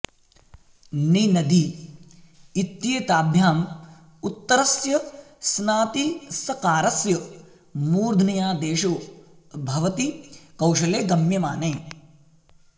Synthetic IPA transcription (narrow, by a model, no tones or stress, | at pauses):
ninɐd̪i | t̪jeːt̪aːbʱjaːm | ut̪ːɐɾɐsjɐ | snaːt̪isɐkaːɾɐsjɐ | muːɾd̪ʱnɐjaːd̪eːʃu | bʱɐʋɐt̪ikɐwʃɐleːɡɐmjɐmaːnɐː